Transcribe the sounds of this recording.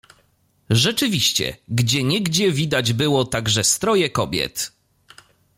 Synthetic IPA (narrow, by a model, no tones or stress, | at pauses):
ʐɛt͡ʂɘvʲiɕt͡ɕɛ̰ɡd͡ʑɛɲɛɡd͡ʑɛvʲid̪ad͡ʑbɘwɔt̪aɡʐɛst̪ɾɔjɛkɔbʲjɛ̰t̪